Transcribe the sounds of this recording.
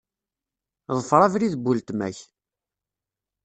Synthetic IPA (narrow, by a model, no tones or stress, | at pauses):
ðˤəfɾˤɑvɾiðbult̪mæ̰ç